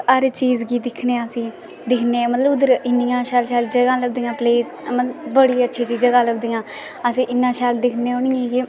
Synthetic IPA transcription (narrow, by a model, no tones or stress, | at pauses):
əɾt͡ʃiːzɡiːd̪ɪkʰneːəsĩː | d̪ɪkʰneːmət̪ləbʊd̪əɾɪnijãːʃaːlʃaːld͡ʒəɡãːləɡ̚d̪iːjãːpleːs | mət̪ləbbəɽiːətːʃʰiːt͡ʃiːd͡ʒəɡãːləɡd̪ijãː | əsĩːʔɪnːãːʃaːld̪ɪkʰneːonɪjãːɡiː